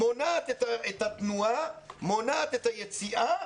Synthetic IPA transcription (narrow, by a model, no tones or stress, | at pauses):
monat̪et̪aet̪at̪nuamonat̪et̪ajet͡siʔa